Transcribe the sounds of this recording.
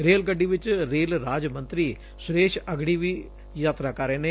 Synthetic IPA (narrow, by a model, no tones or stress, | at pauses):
ɾeːlɡəɖːiːʋɪt͡ʃɾeːlɾaːd͡ʒmə̃nt̪ɾiː | sʊɾeːʃəɡɽiːʋiː | jaːt̪ɾaːkəɾeːneː